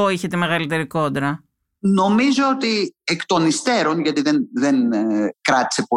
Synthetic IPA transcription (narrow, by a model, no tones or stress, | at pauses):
oiçet̪eme̞ɣɐlit̪e̞ɾiko̞nd̪ɾɐ | no̞mizo̞ot̪iekt̪o̞nist̪e̞ɾo̞nʝɐt̪iðenðenkɾɐt̪i̥se̞po